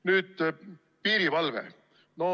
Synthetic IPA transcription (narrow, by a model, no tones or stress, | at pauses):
nyːd̪̥ | piːɾivɑlvḛ | no